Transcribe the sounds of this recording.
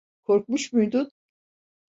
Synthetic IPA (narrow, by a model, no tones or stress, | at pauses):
kʰoɾk̚muʃmujd̪un